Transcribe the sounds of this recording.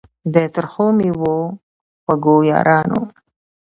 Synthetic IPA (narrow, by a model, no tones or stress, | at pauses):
d̪et̪əɾxomiwo | waɡojɑ̰ːɾʔɑːno̰